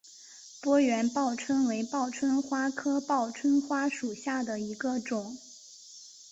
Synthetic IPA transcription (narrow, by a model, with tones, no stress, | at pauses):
pwɔ˥ɥɛ˧˥npɑ˥˩ʊʈ͡ʂʰwə˥nwe˧˥ɪpɑ˥˩ʊʈ͡ʂʰwə˥nxwa˥kʰɤ˥pɑ˥˩ʊʈ͡ʂʰwə˥nxwa˥ʂu˨˩ɕja˥˩d̪ə˩i˧˥ɡə˧ʈ͡ʂʊ˨˩˦ŋ